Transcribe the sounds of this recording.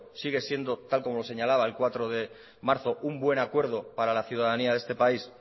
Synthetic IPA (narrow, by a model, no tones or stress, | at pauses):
siɣ̞e̞sje̞nd̪o̞t̪alko̞mo̞lo̞se̞ɲalaβaelkwat̪ɾo̞ðe̞ | maɾθo̞ʔumbwe̞nakwe̞ɾð̞o̞paɾalaθjuðaðaniaðe̞st̪e̞pais